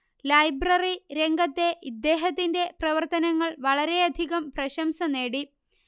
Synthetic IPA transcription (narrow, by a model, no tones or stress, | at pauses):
lɐjbrɐriɾe̞ŋɡɐt̪ːe̞ʔid̪ːe̞ːɦɐt̪ːinde̞prɐʋɐrt̪ɐnɐŋːɐɭʋɐɭɐɾe̞ɐd̪ʱiɣɐmprɐɕɐmsɐne̞ːɽi